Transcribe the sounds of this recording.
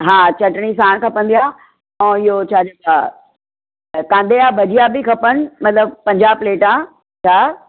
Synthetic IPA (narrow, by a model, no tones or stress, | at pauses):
ɦãːt͡ɕɐʈɽ̃isaːɽ̃kʰɐpə̃n̆d̪ijaː | ɛ̃ːɪɦot͡ɕʰaːd͡ʑoa | kãːnd̪eabʱɐd͡ʑijabɪkʰɐpən̆mɐt̪ləb̚pɐ̃ɲd͡ʑaːpleːʈã | t͡ɕʰaː